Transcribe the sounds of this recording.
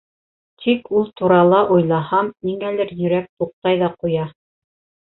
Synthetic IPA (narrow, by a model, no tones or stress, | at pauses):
t̪ʰikulˠt̪uɾɑlˠɑʔujlˠɑhɑmiŋælɘɾjɵ̆ɾæk̚t̪uq̚ːɑjðɑqujɑ